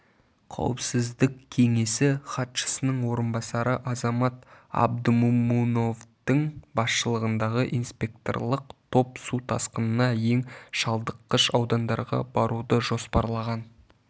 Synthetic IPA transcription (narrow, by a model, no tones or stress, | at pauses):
qʰɑ̰wəpsɪzd̪ɪkkʲʰːe̞ŋe̞sɪχɑt̪ʃə̥sənəɴwo̞ɾənbɑsɑɾəʔɑzɑmɑt̪ɑ̰b̚d̪əmumuno̞vd̪əŋbɑsʃəlˠəʁənd̪ɑʁəʔinspʲe̞k̚t̪o̞̰rlˠəq̚t̪ʰo̞psut̪ʰɑsqənənɑje̞ŋʃɑlˠd̪əqːəʃɑwd̪ɑnd̪ɑɾʁɑ̰bɑɾud̪əʒo̞spɑɾlˠɑʁɑn